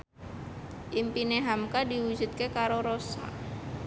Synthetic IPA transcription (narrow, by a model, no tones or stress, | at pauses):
ʔimpineɦamkadiwud͡ʒṳt̪̚kekaɾoɾosa̰